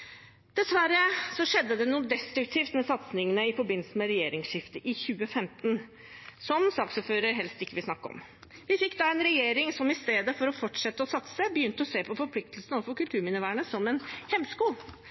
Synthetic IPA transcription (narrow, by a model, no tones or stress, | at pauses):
d̪̥ɛsʋæɾəsɔʂɛd̪ːəd̪ɛnuːd̪ɛst̪ɾʉkt̪ʰiːft̪mɛsɑt̪snɪŋənəɪfɔɾbɪnl̩səmɛɾɛjeːɾɪŋsʂɪft̪əʔɪçʉːəfɛmt̪n | sɔmsɑːksoːføːɾəɾɦɛlst̪ɪkːəʋɪlsnɑkːəɔ̰m | ʋɪfɪkːd̪ɑːɛnɾɛjeːɾɪŋsɔmɪst̪eːd̪əfɔɾɔfɔʈʂɛt̪ːəɔsɑt̪səbəjʏnt̪əɔseːpʰɔfɔɾpʰlɪk̚t̪əlsnɔʋfɔɾkʉlt̪ʰʉːɾmɪnɪʋæːɳəsɔmɛnhɛmːskuːl